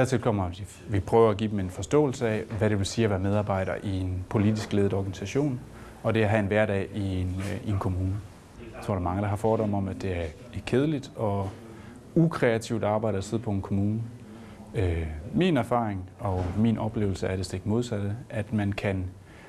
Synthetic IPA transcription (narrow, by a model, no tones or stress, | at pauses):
d̥æɐt͡sʰe̝lkʰɒ̽m̰ɐ̥i | ʋipʰʁœːʊɐæɡḭːdeme̝nfɒ̽sd̥ɔ̰̽ːl̩səɛ̰ʋæɾe̝ʋelsiːɐʋæmeð̞ˠɑ̈ːb̥ɑ̈ɪ̰ɾ̥ɐ̰ʔie̝npʰo̝lidisɡ̥le̝ːð̩ˠɒːɡ̥ænisæɕo̝̰ːn | ɒ̽d̥e̝æɦæenʋæɐdɛ̰ienie̝nkʰo̝muːnə | jt͡sʰo̝ɐ̰ɾ̥ɑ̈mɑ̈ŋəd̥ɑ̈ɦɑ̈fɒːd̥ɒ̽mɒ̽mæd̥e̝æɐ | ekʰeð̞ˠəlid̥ɒ̽ | ukʰʁɛæt͡sʰiʊd̥ɑ̈ːb̥ɑ̈ɪ̰ɾ̥ɐæseð̞̰ˠpʰɒ̽enkʰo̝muːnə | øminæɐfɑ̰̈ːʁeŋɒ̽minʔɒ̽b̥le̝ːʊl̩səæɐɾ̥e̝sd̥eɡ̥mo̝ð̞ˠsæd̥əæd̥mænkʰæn